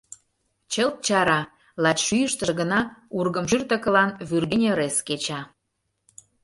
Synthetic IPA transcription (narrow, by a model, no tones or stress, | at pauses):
t͡ɕəlt̪̚t͡ɕɑɾɑ | lɑtʲʃyjəʃt̪ə̆ɣənɑurɣəmʒyrt̪ə̆kə̆lɑnβyrɣenʲeɾesket͡ɕɑ